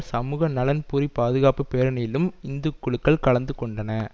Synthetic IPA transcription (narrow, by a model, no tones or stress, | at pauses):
sɐmuːɣɐnɐlɐnpʊɾipaːðɯɣaːpɯpeːɾɐnɐjɪlɯmɪnd̪ɯkːʊɭɯkːɐɭkɐɭɐnd̪ɯkːɔɳɖɐnɐ